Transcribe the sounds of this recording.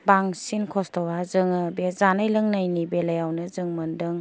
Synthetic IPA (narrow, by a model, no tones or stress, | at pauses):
baŋsinkʰɔstɔwazɯŋɯbezanajlɯŋnajnibelajawnɯzɯŋmɐndɯŋ